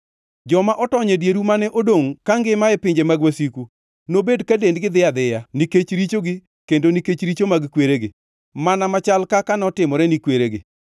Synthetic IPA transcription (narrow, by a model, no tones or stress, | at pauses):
d͡ʒɔmaʔɔtɔɲɛdjeɾumanɛʔodoŋkaŋɡɪmaɛpɪɲd͡ʒemaɡwasiku | nobedkadendɡɪd̪ɪad̪ɪjaniket͡ʃɾit͡ʃoɡɪ | kendoniket͡ʃɾit͡ʃomaɡkweɾeɡɪ | manamat͡ʃalkakanɔtɪmɔɾɛnikweɾeɡɪ̰